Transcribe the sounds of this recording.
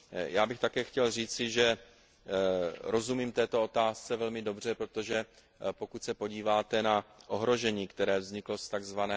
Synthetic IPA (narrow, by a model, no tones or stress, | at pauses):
jaːbɪxt̪akɛːxcɛlr̝iːt͡sɪʒɛ | ɾo̞zumiːmt̪ɛːt̪o̞o̞t̪aːst͡sɛvɛlmɪdo̞br̝ɛpɾot̪o̞ʒɛ | po̞kut̪sɛpoɟiːvaːt̪ɛnaʔo̞ɦɾo̞ʒɛɲiːkt̪ɛɾɛːvzɲɪklost̪aɡzvanɛː